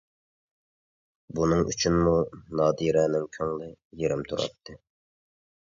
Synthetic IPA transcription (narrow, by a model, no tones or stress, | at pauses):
bunɨŋy̰t͡ʃʰynmunɑːd̪iɾɛnɪŋkʲʰøŋlˠɪjeɾɪmt̪ʰuɾɑ̰p̪̚ʰːɨ